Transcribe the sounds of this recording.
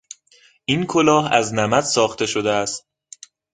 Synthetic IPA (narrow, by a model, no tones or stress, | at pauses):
ʔiːnkʰolɒːɦæ̰znæmæt̪sɒːxt̪e̞ʃo̞d̪eæst̪̚